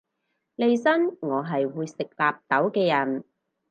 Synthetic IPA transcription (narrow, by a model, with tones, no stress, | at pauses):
le˨˧jsɐ˥nŋɔː˨˧ɦɐ˨jwuː˨˧jsɪ˨k̚laː˨p̚t̪ɐ˨˥wkɛː˧jɐ˨˩n